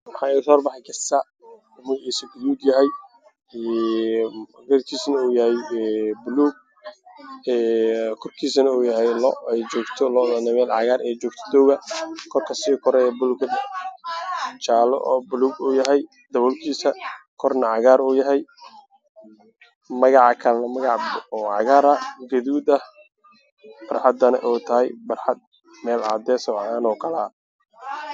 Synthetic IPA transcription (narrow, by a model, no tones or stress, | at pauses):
mɐħɑːɪʊsɔːrbɑħɑjkʰɐsɐ | ʊmʊːɛːsɐɡʊluːɡ̪jɐɦɛj | ɛ | ɡɐrkʰiːsɐnɐuːjɐhɛjɛbʊluːɡ̚ | ɛːkʰɔrkʰiːsɐnɐuːjɐɦɛjlɔɛjt͡ʃɔːɡt̪ʰɔlɔːnanɛmɛːlʕɑ̰ɣaːɾʔɛːjt͡ʃɔːɡ̚t̪ʰɔ̥d̪ɔːɣɐkʰɔrkʰɐsiːkʰɔɾɛjɛbʊlukɐ | t͡ʃaːlɔ̰ʔbʊluɡuːjɐɦɛj | d̪ɐβɔlkʰiːsɐkʰɔrnɐʕɑɣaːɾuːjɐɦɛj | mɐɣɑʕɑkʰɐlɐnɐmɐɣɑʕbɔːʕɑ̰ɣaːɾɐɡɐðuːd̪ɐh | b̥ɐrħɑd̪ɐnɐ̰ʔɔːt̪ʰɐɦɛjbɐrħɑd̪̚ | mɛːlʕa̰ːd̪ɛːsɔʕaːnɔːkʰɐla